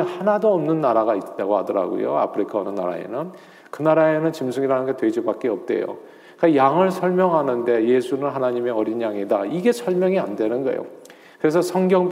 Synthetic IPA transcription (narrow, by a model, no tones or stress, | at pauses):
hanadoʌmnɯnːaɾaɡaitt͈aɡohadʌɾa̰ɡo̰jo̰a̰pʰɯɾikʰaʌnɯnːa̰ɾa̰ḛnɯn | kɯnaɾae̞nɯnt͡ɕimsʰuŋiɾanɯnɡe̞twe̞d͡ʑibak͈eʌp̚t͈e̞̰jo̰ | kkajaŋɯɭsʰʌɭmjʌŋɦanɯnde̞je̞sʰunɯnɦanaɲime̞ʌɾinjaŋidaiɡe̞sʰʌɭmjʌŋiandwe̞nɯnɡʌ̰jo̰ | kɯɾe̞sʰʌsʰʌŋɡjʌŋ